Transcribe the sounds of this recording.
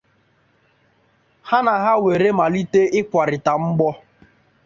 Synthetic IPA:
ha˦na˨ɦa˦we˨ɾe˦ma˨li˦te˦ʔɪ˦kʷa˨ɾɪ˨ta˨m̩˦ɡ͡bɔ˦

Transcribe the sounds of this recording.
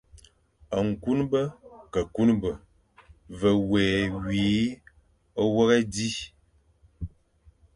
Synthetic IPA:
a˨ŋ̩˨ku˦nbə˦kə˨ku˦nbə˨ | və˨wɛː˨wiː˨˦ | ə˦wə˦ɣɛ˦di˦

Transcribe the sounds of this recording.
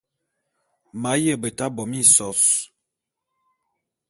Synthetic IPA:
ma˨˦jə˦˨bə˨ta˦bɔ˨mi˦˨sɔ˨˦s

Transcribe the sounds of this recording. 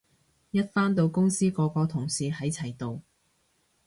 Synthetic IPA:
jɐ˥t̚faː˥nt̪o˧wkʊ˥ŋsiː˥kɔː˨˧kɔː˧t̪ʰʊ˨˩ŋsiː˨˧hɐ˨˥jt͡sʰɐ˨˩jt̪o˨˧w

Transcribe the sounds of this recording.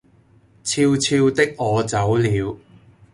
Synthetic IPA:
t͡sʰiː˧wt͡sʰiː˧wt̪ɪ˥k̚ŋɔː˨˧t͡sɐ˨˥wliː˨˧w

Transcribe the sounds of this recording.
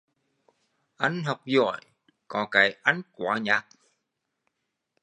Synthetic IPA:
ʔa˧˦jŋ̟ɦa˨˩wk͡p̚zɔ̰˧˩˨j | kɔ˧˨˩ka˨˦jʔa˨˦jŋ̟kwa̰ː˧˦ɲaː˨˩k̚

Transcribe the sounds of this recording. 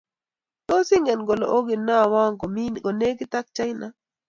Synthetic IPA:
t̪o˦si˦ŋɡɛ˨nɡɔ˨lɔ̰˨ʔo˦ɡi˨na˦˨wa˦ŋɡɔ˨mi˦ɡɔ˨ne˦ɡi˦t̪a˦k̚t͡ʃa˦jna˦

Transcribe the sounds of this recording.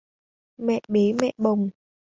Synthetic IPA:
mɛ̰˧˨ɓi˨˦mɛ̰˧˨ɓə˨˩wŋ͡m

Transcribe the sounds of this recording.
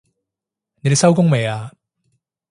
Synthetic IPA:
ne˨de˥˩sɐ˥wkʊ˥ŋme˨˩aː˧

